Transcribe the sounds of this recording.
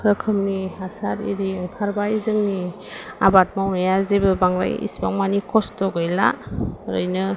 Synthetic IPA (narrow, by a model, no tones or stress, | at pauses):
pʰɾɯkʰɯmniasaɾḭɾiɯŋpʰaɾbaizɯŋni | a̰bat̚mawnajazebɯbaŋɾa̰jḭsbaŋmanikʰɔstɔɡɯjla̰ɾɯjnɯ